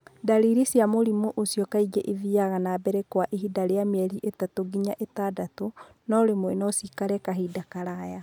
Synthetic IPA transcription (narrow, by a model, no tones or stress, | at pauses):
daɾiɾisiamoɾimuʔosjɔkaiɡɛʔiðiaɣanabɛɾɛkwaʔeɦidaɾeamɛɾiʔetatoɡiɲaʔetadato | nɔɾemwɛnɔsikaɾɛkaɦidakaɾaja